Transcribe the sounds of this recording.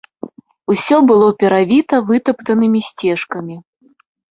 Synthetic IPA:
usʲɔbɨlˠɔpʲɛɾavʲit̪ɐvɨt̪ɐpt̪ɐnɨmʲisʲt͡sʲɛʂkɐmʲi

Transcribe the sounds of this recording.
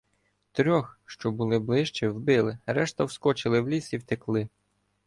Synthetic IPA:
t̪ɾʲɔxʃt͡ʃɔbʊlˠɪblˠɪʃt͡ʃiwbɪlˠɪɾɛʃt̪ɐwskɔt͡ʃɪlˠɪwlʲisiwt̪ɪklˠɪ

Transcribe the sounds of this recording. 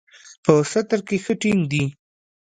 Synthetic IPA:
pəsat̪aɾkexəʈiŋd̪i

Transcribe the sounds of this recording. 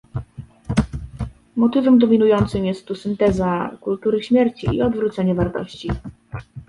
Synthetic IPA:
mɔt̪ɘvɛmd̪ɔmʲinujɔnt̪sɘmjɛst̪ːusɘnt̪ɛzakult̪uɾɘɕmʲjɛɾt͡ɕḭːɔd̪vɾut̪sɛɲɛvaɾt̪ɔ̰ɕt͡ɕi

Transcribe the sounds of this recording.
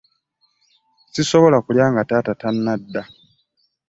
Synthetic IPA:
sisoβolakuljaːŋɡataːtatanːadːa

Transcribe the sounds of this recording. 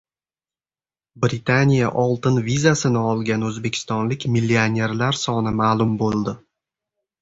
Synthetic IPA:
bɾɪt̪ʰanʲijaʔɒlˠt̪ɪnvizasɪnɪɒlˠɡʲanɵzbe̞kʲʰɪ̥st̪ɒnlɪkʲmilːianʲe̞ɾlaɾsɒnɪmaːlˠʊmbolˠd̪ɪ

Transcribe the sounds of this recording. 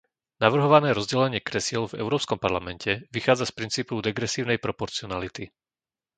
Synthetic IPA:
naʋr̩ɦɔʋanɛːɾɔzɟɛlɛɲɪɛkɾɛsɪɛlvɛ̰ʊɾɔːpskɔmpaɾlamɛncɛʋixaːd͡zaspɾint͡siːpɔʊd̪ɛɡɾɛsiːʊnɛjpɾɔpɔɾt͡siɔnalit̪i

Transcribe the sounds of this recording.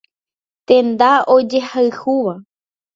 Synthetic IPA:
t̪ẽ̞nd̪aod͡ʒe̞haɨhuʋa

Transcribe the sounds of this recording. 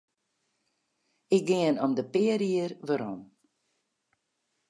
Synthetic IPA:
ɪk̚dɪənɔmdəpɪəɾiərʋəɾɔm

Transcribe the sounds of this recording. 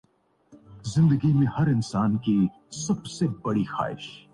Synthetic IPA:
zɪ̃nd̪əɡimẽhɐɾɪnsaːnki | sɐbsebɐɽixa̰ːɪ̰ʃ

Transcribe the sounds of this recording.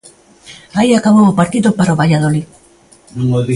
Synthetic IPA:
aiakaβowopaɾt̪iðopaɾaoβaʎaðoli | nuŋoði

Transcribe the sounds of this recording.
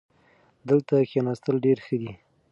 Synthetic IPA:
d̪əlt̪axanast̪əlɖeɾxəd̪i

